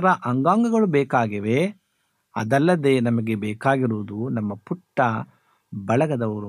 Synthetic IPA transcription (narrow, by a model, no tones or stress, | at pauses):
ɾɐʔɐŋɡaːŋɡɐɡɐɭubɛːkaːɡiʋe | ɐ̰d̪ɐlːɐd̪enɐmɐɡebɛːkaːɡiɾuːd̪unɐmːɐpuʈːɐ | bɐɭɐɡɐd̪ɐʋɐɾu